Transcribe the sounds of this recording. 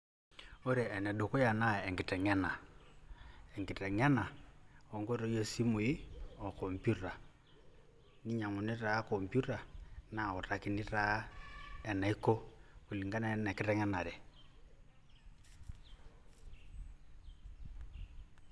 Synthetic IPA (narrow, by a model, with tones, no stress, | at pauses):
o˦ɾɛ˨ɛ˨nɛ˨do˨kɔ˦ja˨na˦ɛ˨ŋɡi˨tɛ˨ŋɛ˦na˨ | ɛ˨ŋɡi˨tɛ˨ŋɛ˦na˨ɔ˨ŋɡo˦ɾɔ˦jɔ˦si˦mwi˦ɔ˨kɔ˨mpju˦ta˨ | ni˦ɲa˨ŋu˨ni˦ɾa˨˦kɔ˨mpju˦ta˨na˨ɔ˨ta˨ki˨ni˦ɾa˨˦ɛ˨na˨i˦kɔ˦ku˨li˨ŋɡa˦nɛ˦nɛ˨ki˦tɛ˦ŋɛ˦na˨ɾɛ˨